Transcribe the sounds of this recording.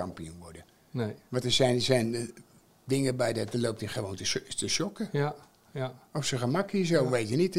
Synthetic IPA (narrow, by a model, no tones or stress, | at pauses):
ɑmpiunʋɔrdə | ʋɔntəsɛjnəsɛjn | dɪŋəbɛjdɔt̚dəlowp̚tɪχəʋoːntətəʃɔkə | ɔfsəχəmakəsowʋejtənit